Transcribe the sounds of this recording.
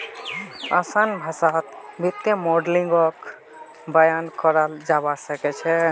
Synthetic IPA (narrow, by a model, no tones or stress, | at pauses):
asanbʱəsat̪bit̪jemoɖliŋɡɔk | bajankɔɾald͡ʒabasəkɛt͡ʃʰɛ